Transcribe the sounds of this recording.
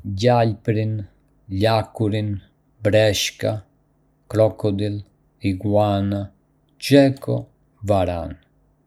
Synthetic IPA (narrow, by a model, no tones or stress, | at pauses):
ɟaʎpɾin | ʎakuɾin | bɾɛʃka | kɾɔkɔd̪il | iɡwana | t͡ʃɛkɔ̰ | vaɾa̰n